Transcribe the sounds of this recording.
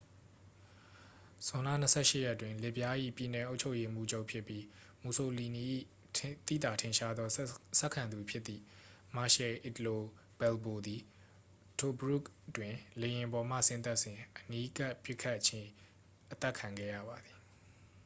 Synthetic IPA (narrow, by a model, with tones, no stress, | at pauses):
z̥ʊ̃˨nlä̰˦˨n̥ə˨sʰɛ̰˦˨ʃɪ˦˨jɛ˦tːwɪ̃˨lɛ˨pja˦ʔḭ˦˨pji˨nɛ˨ʔo˦ʊt͡ɕʰo˦ʊje˦mṵ˦˨d͡ʑo˦ʊʔpʰjɪ˦pːji˦ | mu˨so˨li˨ni˨ʔḭ˦˨ | t̪ḭ˦˨t̪a˨tʰɪ̃˨nʃa˦d̪ðɔ˦sɛ˦ʔkʰːã˨nd̪u˨pʰjɪ˦t̪ːḭ˦˨ | ma˨ʃɛ˨ʔi˨t̪əlo˨ | bɛ˨lbo˨d̪i˨ | tʰo˨bɹu˦˨ktwɪ̃˨le˨jɪ̃˨bɔ˨m̥ä̰˦˨sɪ̃˦nt̪a˦ʔsɪ̃˨ʔəni˦ka˦ʔpjɪ˦kʰːa˦˨ʔt͡ɕʰɪ̃˦ | ʔət̪ɛ˦ʔkʰã˨ŋɡɛ̰˦˨jä̰˦˨ba˨d̪i˨